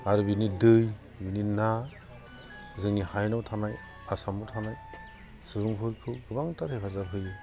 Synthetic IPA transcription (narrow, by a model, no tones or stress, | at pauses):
aɾubinidɯj | binina | zɯŋnihajnawtʰanaj | asamuwtʰanaj | sɯɯŋpʰɯɾkʰɯwɡɯbaŋtaɾhekʰazabɦʰɯjɯ